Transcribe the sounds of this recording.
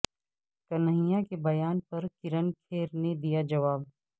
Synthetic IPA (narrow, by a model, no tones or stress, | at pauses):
kɐnəɦɪjakebɐjaːnpɐɾkɪɾənkʰeːɾned̪ijad͡ʒɐʋaːb̚